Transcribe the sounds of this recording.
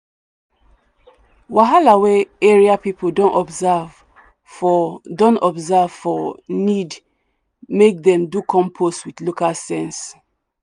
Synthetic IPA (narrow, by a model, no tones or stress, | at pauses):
waɦalaweɛɹiapipʰoldõntɔbzav | fɔdõntɔbzav̥fɔnid | mek̚dɛ̃mdukʰɔ̃mpʰostwiθlokalsɛ̃ns